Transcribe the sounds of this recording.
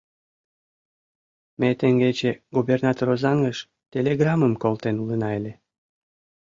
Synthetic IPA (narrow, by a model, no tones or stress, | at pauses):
met̪eŋɡet͡ɕeɡubernɑt̪oɾozɑŋəʃ | t̪ʲeleɡrɑməmkolt̪enulənɑelʲe